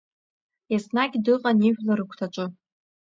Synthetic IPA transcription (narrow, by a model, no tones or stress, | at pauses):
jasnaɡʲdɨqʼaniʒʷᶣlaɾɨkʷʰtʰaʈ͡ʂʷʼɨ